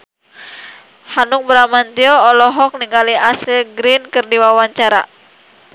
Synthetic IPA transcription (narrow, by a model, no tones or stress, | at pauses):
hanuŋ̚bəɾamant̪iɔːlɔɦɔk̚niŋɡaliasilɡɾinkɨrdiwawaɲt͡ʃaɾa̰